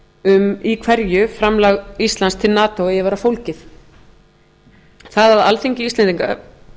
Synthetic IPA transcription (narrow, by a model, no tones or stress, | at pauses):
ʏmikʰvɛɾjʏfɾamlaɣist̪lanst̪ʰɪlnaːt̪owjɛvaɾafowlcɪθ | θaðaða̰lθiɲcɪist̪ɛnt̪iŋka̰